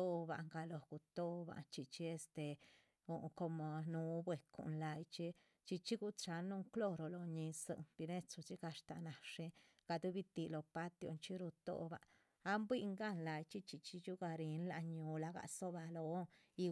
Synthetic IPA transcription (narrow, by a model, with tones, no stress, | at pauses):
o˦ba̰˨ŋɡa˧lo˨ɡ̥u˨t̪o˦˧ba̰˨nt͡ʃi˧t͡ʃi˦e˧st̪e˨ | u˨ko˧mo˨nu˧bwe˨kṵ˨nla˧jt͡ʃi˦ | t͡ʃi˧t͡ʃi˦ɡu˦t͡ʃa˧nːu˦ŋklo˦ɾo˨lo˨ɲi˧sɨ̰˧nb̥i˧ne˦t͡su˧t͡ʃi˦ɡa˧ʂt̪a˧na˨ʂi˦ | ɡ̥a˧d̪u˦bi˧t̪i˨lo˨pa˦t̪jo̰˧nt͡ʃi˦ɾu˧t̪o̰˦ba̰ː˨˦ | mbwi˦ŋɡa˦nla˨˧jt͡ʃi˦t͡ʃi˧t͡ʃi˦t͡ʃu˦ɡa˧ɾi˨˦nla̰˧ɲu˨˧la˧ɡa̰˧˨so˦ba˧lo˨˦ | i˧